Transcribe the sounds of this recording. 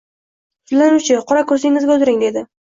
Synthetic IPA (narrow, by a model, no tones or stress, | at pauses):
lanʊt͡ʃʰɪqʰɒɾakʰɵɾsɪŋːɪzɡʲaʊzɾɪŋd̪e̞d̪ɪ